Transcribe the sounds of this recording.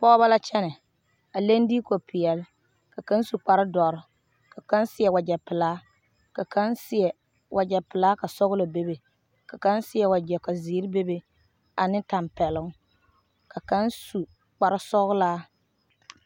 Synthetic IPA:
pɔ˦ba˦la˦t͡ʃɛ˦nɛ˨ | a˨le˦n˦di˦ko˨pʰɪ˨jɛ˨l | ka˨ka˦nsu˨k͡pa˨ɾɪ˦dɔ˨ɾɪ˨ | ka˨ka˦nsɪ˦jɛ˨wa˨d͡ʒɛ˨pɪ˨laː˦ | ka˨kʰa˦nsɪ˦ɛ˨ | wʔa˨d͡ʒɛ˨pɪ˨laː˦ka˨sɔ˦ɣʊ˦lo˨be˦be˨ | ka˨ka˦nsɪ˦jɛ˨wa˨d͡ʒɛ˨ka˨ziː˨˦ɾbe˦be˨ | a˨nɪ˦ta˨mpɛ˨lʊ˦ŋ | ka˨ka˦nsu˨ | k͡pa˨ɾɪ˦sɔ˦ɣʊ˦laː˦

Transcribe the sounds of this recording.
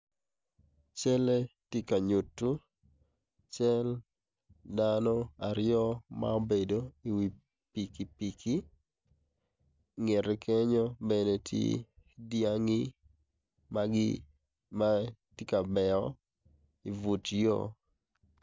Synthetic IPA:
t͡ʃɛ˦le˦ti˦ka˨ɲu˨tːu˦ | t͡ʃɛ˦l | danɔ˦a˨ɾjɔ˦ma̰o˦be˨do˦i˨wi˨ | pi˨ki˨pi˨kʰi˦ | ŋe˨ɾkʰɛ˦ɲɔ˦bɛnetʰjḛ˦dja˦ŋi˦ | ma˦ɡɪ | ma˦ti˦ka˨bɛ˨ɔ˦ | i˨vu˨tjɔ̰˦

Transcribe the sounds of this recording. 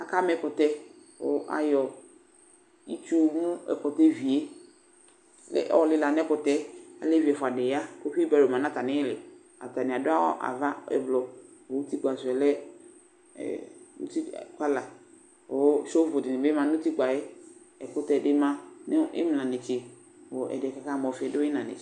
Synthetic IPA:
a˨ka˦mɛ˨˦kʊ˨t̪ɛ˦ | wo̰˦ʔa̰˨jɔ˨ | i˦t͡ʃu˦o˦˨mũ˦ɛ̰˨kɔ˨t̪ɛ˦vi˨e˦ | lɛ̰˦ʔɔ˦˨lɪ˦la˨nɛ˦kʊ˨t̪ɛ˦a̰˨le˦vi˨ɛ˨fʊ˨a˨dɪ˨ja˦ko˦ɸi˦e˦bɛ˨ɾo˨mã˨nã˦ta˨nɪ̃˦lɪ˨ | a̰˨ta˨nɪ̃˨a˨dʊ˦a˦wɔ̰˦ʔa̰˨va˦ɛ̰˨blɔ˨wo˨˦ti˦ɡ͡ba˨sʊ˨ɛ˨lɛ̰˦˨ | nṵ̃˦ti˦˨kʷa˦la˨ | o˨wʃo˦vʊ˨dɪ˨nɪ̃˨bɪ˦mã˨nʊ̃˦ti˦ɡ͡ba˨jɛ˦ | ɛ˨kʊ˦tɛ˦˨dɪ˦mã˦nɪ˦ɪ̰˦m˨nã˨nɪ˨t͡ʃɪ˨ | wo˨ʔɛ̰˨dɪ˨ɛ˨ka˦ka˦˨mɔ˨fɪ˨ɛ˨dʊ˦ɪ˦nã˨nɪ̰˨

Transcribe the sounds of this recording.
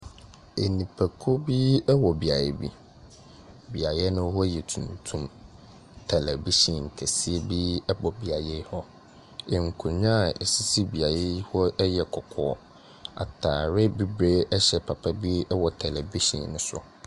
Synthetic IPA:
e˨nĩ˨pʰæ˨kʰo˦bi˦ɛ˦wɔ˨bi˨a˨jɛ˦bi˦ | bi˨a˨jɛ˦nʊ̃˦hɔ˦jɛ˨tʰũ˨ntʰũ˦m | tʰɛ˨lɛ˨bi˦sɔ̃˨n̩˨kʰɛ˨si˦e˦bi˦ɛ˦bɔ˨bi˨a˨je˦hɔ˦ | e˨ŋ̩˨kʰu˨ɲ˦ã˦˨ɛ˨si˦si˦bi˨a˨je˦hɔ˦ɛ˦jɛ˨kʰɔ˨kʰɔ˦˨˦ | a̰˨tʰaː˨ɾɪ˦bi˦bɾeː˦ʔɛ˦ɕɛ˨pʰa˨pʰa˦bi˦ɛ˦wɔ˨tʰɛ˨lɛ˨vi˦ɕḭ̃˨nːʊ̃˦sʊ̰˦

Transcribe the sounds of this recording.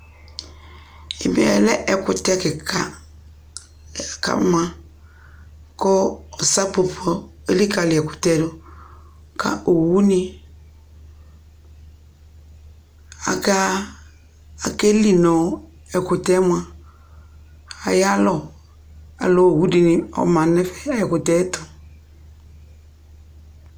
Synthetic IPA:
ɪ˨mḭ˨ɛ̰˨lɛ˦ʔɛ˨kʊ˨tɛ˦kɪ˨kʰa˦˨ | ka̰˦m˦a˦ | kɔ˦ɔ˨sa˦po˨pʰɔ˦ | e˦li˦ka˨lɪ˨ɛ˨kʊ̥˨tɛ˦dʊ˦ | ka̰˦ʔo˨wu˦ni˦ | a̰˨ka˦ | a˨ke˦li˨nɔ˨ | ɛ˨kʊ˨tɛ˦mʷ˦ã˦˨ | a˨ja˦lɔ˨ | a̰˨lɔ˨wu˦di˨nɪ˨ɔ̰˨mã˨nɛ˦fɛ̥˦˨ɛ˨kʊ˨tɛ˦tɔ˨

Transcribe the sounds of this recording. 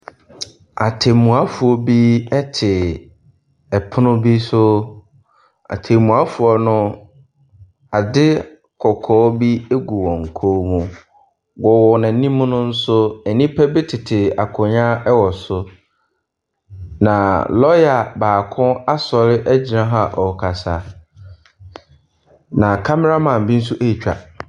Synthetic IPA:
a˨tʰe˨mũ˨a˦fu˨ɔ˦bi˦ɛ˦tʰɪ˨ | ɛ˨pʰʊ˦nʊ̃˦bi˦sʊ˦ | a̰˨tʰe˨mũ˨a˦fu˨ɔ˨nʊ̃˦ | a˨dɪ˦ | kʰɔ˨kʰɔː˨˦bi˦e˦ɡu˨wɔ̃˨ŋ̩˨kʰo˦mũ˨ | wɔ˨wɔ˨nã˨˦nĩ˦mũ˦nʊ̃˦n̩˦sʊ˦ɛ˨nĩ˦pʰɛ˦bɪ˦tʰɪ˨tʰɪ˨a˨kʰʊ̃˨ɲã˦ɛ˦wɔ˨sʊ˦ | nã˨lɔ˦ja˨baː˨kʰʊ̃˦a˦sɔ˨ɾɪ˦ʔæ˦d͡ʑi˨nã˦ɦa˦ʔɔ˨kʰa˨sa˨ | nã˨kʰa˦mɛ˦ɾa˦mã˨m˨bi˦n̩˦s̬u˦ʔe˦i˨t͡ɕᶣa̰˨

